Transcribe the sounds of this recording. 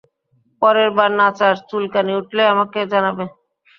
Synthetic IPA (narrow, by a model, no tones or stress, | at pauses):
pɔɾeɾbaɾnat͡ɕaɾt̪ulkaniuʈleamaked͡ʑanabe